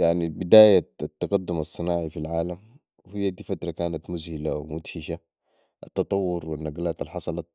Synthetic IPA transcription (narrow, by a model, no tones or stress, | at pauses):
jaʕnibid̪aːjat̪ːɑɡad̪ːumɑsˤːɨnaːʕifilʕaːlam | whijːad̪iːfat̪ɾˤɑkaːnat̪mʊzhilawmut̪hiʃa | ʔat̪ːɑt̪ˤɑwːʊɾwinːaɡlaːt̪alħɑsˤɑlɑt̪̚